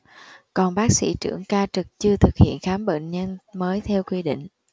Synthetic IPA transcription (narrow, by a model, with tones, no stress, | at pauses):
kɔ˨˩nɓaː˦˥k̚sḭ˧˥˩t͡ɕɨ̰˧˩əŋkaː˧t͡ɕɨ˨˩k̚t͡ɕɨ˧ət̪ʰɨ˨˩k̚hḭ˧˨ənxaː˨˦mɓḛ˧˨nɲə˧nməː˨˦jt̪ʰɛ˧wkwi˧ɗḭ̈˧˨ŋ̟